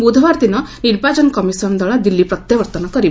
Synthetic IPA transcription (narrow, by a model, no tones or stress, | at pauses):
bud̪ʱʋaɾd̪inɔniɾbad͡ʒɔnkɔmisɔnd̪ɔɭad̪ilːipɾɔt̪jɐʋɐɾt̪ɔnɔkɔɾi